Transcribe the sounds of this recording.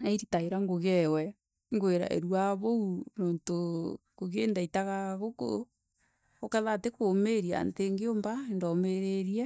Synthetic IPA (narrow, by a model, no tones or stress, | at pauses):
aiɾitaeɾaŋɡoɣɛwɛ | ŋɡoeɾa̰ʔḛɾwaβounɔːntokoɣeːndaitaɣaɣoko̰ | ɔkaðatekomeɾia̰nteŋɡeombaendɔmeɾeɾiɛ